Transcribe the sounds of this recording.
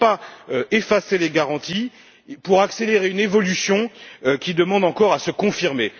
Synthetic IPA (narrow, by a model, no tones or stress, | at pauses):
paøefaseleɡaʁɑ̃t̪i | puʁakseleʁeynevɔlysjɔ̃kʲid̪əmɑ̃d̪ɑ̃kɔʁasəkɔ̃fiʁme